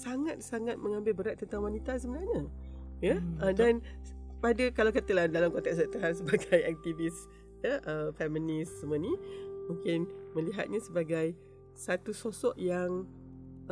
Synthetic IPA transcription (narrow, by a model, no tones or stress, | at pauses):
saŋat̪̚saŋat̪̚mə̃ŋãmbɪlbəɾaʔ̚t̪ːənt̪aŋwanit̪asəmənaɲajəədanpadəkalawkat̪əlahdalamkɔnt̪ɛkswaʔt̪uɦansəbaɡajak̚t̪ivis | jəʔəfɛmənɪsːəmənimũŋkɪnmə̃liɦa̰t̪̚ɲãsəbaɡaj | sat̪usosɔʔjaŋ